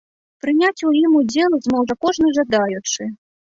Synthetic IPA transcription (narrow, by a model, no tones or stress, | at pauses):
pɾɨnʲat͡sʲujimud͡zʲɛlˠɨzmɔwʐɐkɔʐnɨʐad̪ajut͡ʂɨ